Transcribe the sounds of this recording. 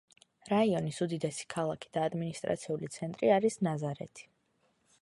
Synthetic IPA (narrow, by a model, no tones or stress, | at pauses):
ɾaiɔnisud̪id̪ɛsi̥kʰalˠakʰi̥d̪̥aːd̪minist̪ʼɾa̰t̪sʰiulit̪sʰɛnt̪ʼɾiaɾisnazaɾɛ̰t̪ʰi̥